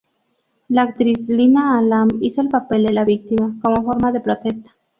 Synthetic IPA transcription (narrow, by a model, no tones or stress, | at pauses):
laːkt̪ɾislinaːlamisoelpape̞ld̪e̞laβik̚t̪imako̞mofo̞ɾmaðe̞pɾot̪e̞st̪ḁ